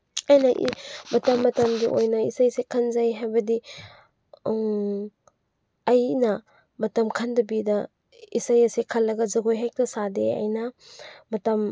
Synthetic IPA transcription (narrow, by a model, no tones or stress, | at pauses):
ajnɐʔimɐtɐmːɐtɐmɡiʔo̰jnɐisajsekʰɐnzajɦajbɐdi | ɐjnɐ | mɐtɐmkʰandɐbidɐ | isajɐsekʰɐlːɐɡɐzɐɡojɦak̚tɐsadeɐ̰jnɐmɐtɐm